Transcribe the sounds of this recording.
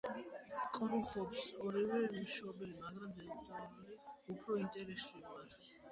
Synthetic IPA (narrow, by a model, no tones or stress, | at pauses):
kʼɾuχɔpsɔɾivɛmuʃaɔbɛlimaɡɾamd̪ɛksʼalɔbuliupʰɾɔint̪ʼɛɾɛsuvaɾ